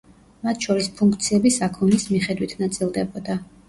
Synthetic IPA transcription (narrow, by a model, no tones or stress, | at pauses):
mat̪ʰʃɔɾispʰuŋkʰt̪sʰiɛbisakʰɔnismiχɛd̪wit̪ʰnat̪sʼilˠd̪ɛbɔd̪a